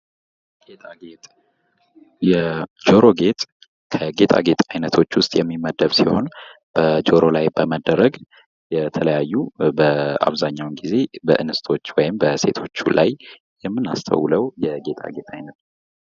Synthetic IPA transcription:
ɡ̥et̪ʼaɡet̪ʼ | jɛd͡ʒoɾo̞ɡe̞t̪ʼ | kʰəɡe̞t̪ʼa̰ɡe̞t̪ʼajnət̪ʰo̞t͡ʃːwʊst̪ʼjɛmːimːəd̪əβsiho̞n | b̥əd͡ʒo̞ɾo̞lajbəməd̪ːəɾəɡ | jɛt̪ʰələjajːubəa̰βzaɲːawnɡize̞bəʔɨnɨst̪ʰo̞t͡ʃːwɔjɪmbəse̞̰t̪ʰo̞t͡ʃːulʔa̰j | jɛmːɨna̰st̪ʰə̰wləwjɛɡe̞t̪ʼa̰ɡe̞t̪ʰʼajnət̪

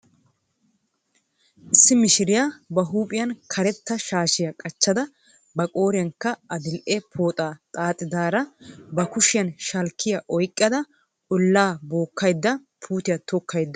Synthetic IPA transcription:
ʔɪsːɪmɪʃɪɾɪjabɐɦuːpʼɪjɐnkʰɐɾɛt̪ːɐʃaːʃɪjɐkʼɐt͡ʃːɐd̪ɐ | bɐkʼo̞ːɾɪjɐŋkːɐɐd̪ɪlʔɛpʰoːt̪ʼaːt̪ʼaːt̪ʼːɪd̪aːɾɐbɐkʊʃɪjɐnʃɐlkʰːɪjɐʔɔjkʼːɐd̪ɐ | ʊlːaːboːkːɐjd̪ːɐ | pʰuːt̪ɪjɐt̪ɔkʰːɐjd̪ːɐ

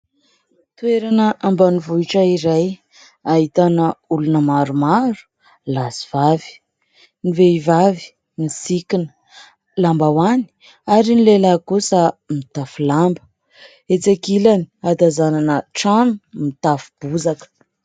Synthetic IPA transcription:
t̪ueɾanəʔambanivuiʈ͡ʂəiɾaj | aɦit̪anəulunəmaɾumaɾu̥ | lasi̥v̥avi̥ | niveivavi̥ | nisikinə̥ | lambawani̥ | aɾinilelakusəmit̪afulambə̥ | et͡sakilani̥ad̪azananəʈ͡ʂamimit̪afu̥b̥uzakə̥

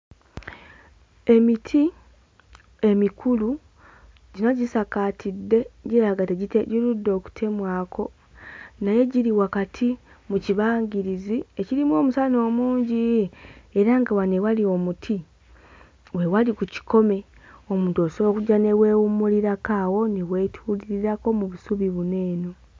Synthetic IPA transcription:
e̞mitʰi | e̞mikʰulu | ɟinaɟisakatidːe̞ɟiaɡateɟiteɟiludːo̞ku̥tʰe̞mwaːkʰo̞ | naje̞ɟiɾiwakatʰi | muciβaːɲɡiɾizieciɾimwo̞ːmusano̞ːmuːɲɟi | eɾaŋɡawanewalio̞mutʰi | we̞walikuci̥ko̞me̞ | o̞muːntuosoβokuɟane̞we̞ːwumuliɾakaːwo̞newe̞tʰuliɾiɾako̞muβusuβiβune̞ːno̞

